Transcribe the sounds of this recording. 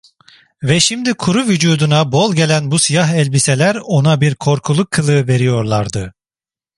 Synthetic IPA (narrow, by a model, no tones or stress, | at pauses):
vɛʃimd̪ikʰuɾuvyd͡ʒuːd̪unabolˠɟe̞lʲænbusijaɦɛlʲbise̞lʲæɾo̞nabiɾkʰo̞ɾkʰulˠukʰːɯlˠɯve̞ɾijo̞ɾlˠaɾd̪ɯ